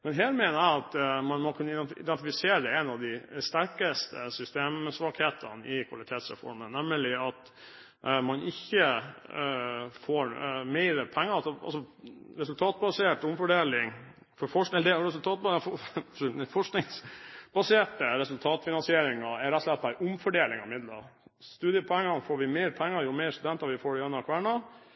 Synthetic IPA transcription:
mɛnɦeːɾmɛnæɪɑt̪mɑnmɔkʰʉnːəɪɛɪ̰d̪ɛnt̪ɪfɪseːɾəd̪ɛɛnɑʋd̪ɪst̪æɾkəst̪ʰə̰sʏst̪eːmsʋɑːkheːt̪ʰə̰nɪkʰʋɑ̰lɪt̪ʰeːt̪sɾɛ̰fɔ̰ɾmənɛmːəlɪɑt̪ | mɑnʔɪçːə | foːɾmɛɪɾəpʰɛŋːəɑsɔɑ̰lsɔ | ɾɛsʉlt̪ʰɑːt̪bɑseːʈʊmfɔɖeːlɪŋ | fɔɾfɔʂɛləd̪ɛɾɛsʉlt̪ʰɑːt̪̚bɑfɔ | fɔʂknɪŋsbɑseːʈəɾɛsʉlt̪ʰɑːt̪fɪnɑnsɪeːɾɪŋɑɛɾɛt̪ːslɛt̪̚bæɪʔʊmfɔɖeːlɪŋɑ̰ɪmɪd̪lɑ̰ɾst̪ʉːd̪jəpʰɔɛŋːɑnfoːɾʋɪmɛɪɾpʰɛŋːəɾjʊmɛɪɾst̪ʉd̪ɛnt̪ɑɾʋɪfoːɖɪœnɑkʰʋæːɳɑ

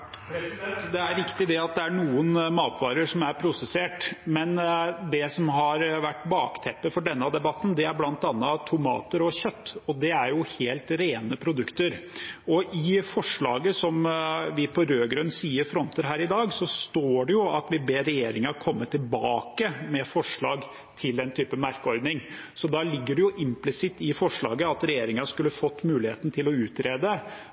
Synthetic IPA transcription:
p̪ɛnt̪d̪ɛæɾʋɪkt̪ɪd̪ɛɑt̪̚d̪ɛæɳuːənmɑːt̪ʋɑːɾəʂɔmæɾpʰɾʊsɛseːʈmɛnd̪ɛsɔmɦɑɾʋæʈːbɑːkt̪ʰɛpːəfɔɖɛnːəɑd̪ɛbɑt̪ːn̩d̪ɛæɾblɑnt̪ɑnːət̪ʰʊmɑ̰ːt̪əɾɔçœt̪ːɔd̪ɛæɾjʊheːlt̪ɾeːnəpʰɾʊd̪ʉkt̪əɾɔʔɪfɔʂɭɑ̰ːɡəsɔmʋɪpʰɔɾøːɡɾœnːsiːəɾfɾɔnt̪əɾɦæːɾɪd̪ɑːɡsɔst̪oːɖɛjʊɑt̪ʋɪbeːɾːɛjeːɾɪŋɑkʰɔmːət̪ʰɪlbɑːkəmɛfɔʂɭɑːɡ | t̪ʰɪld̪ɛnt̪ʰyːpəmɑɾkəɔɾd̪nɪŋ | sɔd̪ɑlɪɡːəɖɛjʊʔɪmplɪsɪt̪ːɪfɔʂɭɑ̰ːɡəɑt̪ɾɛjeːɾɪŋɑskʉlːəfɔt̪ːmʉːlɪhḛːt̪ən̩t̪ʰɪlɔʉːt̪ɾeːd̪ə

